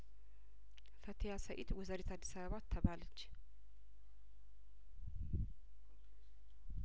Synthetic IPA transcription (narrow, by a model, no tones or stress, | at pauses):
fət̪ʰijasəʔit̪wɔzəɾit̪ad̪ːisaβəβat̪ʰːəβalət͡ʃː